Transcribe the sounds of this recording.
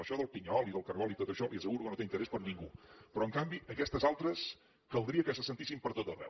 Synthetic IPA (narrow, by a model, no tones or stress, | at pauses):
əʃɔðəlˠpiɲɔlˠiðəlˠkəɾɣɔlˠit̪ot̪əʃɔʔiəs̬əɣuɾukənot̪eint̪əɾɛspəɾniŋɡupɾɔəŋkambiʔəkɛst̪əzalˠt̪ɾəs | kəlˠd̪ɾiəkəsəsənt̪isimpəɾt̪ot̪əβɛ̰w